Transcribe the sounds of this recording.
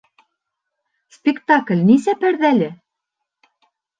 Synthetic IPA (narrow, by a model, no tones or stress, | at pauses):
spʲekt̪ɑklʲnisæpæɾðælʲɘ̆